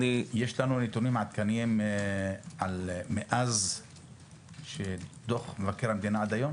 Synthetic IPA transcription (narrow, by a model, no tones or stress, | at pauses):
ijeʃlanunit̪unimaat̪kanim | almeʔaz | ʃed̪oχmevakeʁhamd̪inaad̪ajo̞m